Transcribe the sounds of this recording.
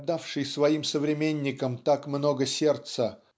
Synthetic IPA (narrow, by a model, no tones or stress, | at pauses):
d̪afʂɨjsvɐimsəvɾʲɪmʲenʲːɪkəmt̪akmno̞ɡəsʲe̞rt̪sə